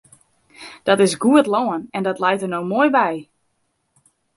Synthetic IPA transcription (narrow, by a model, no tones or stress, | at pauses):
d̥ɔtɪsɡuətloːənɛndɔtlɛjtərnowmojbɛj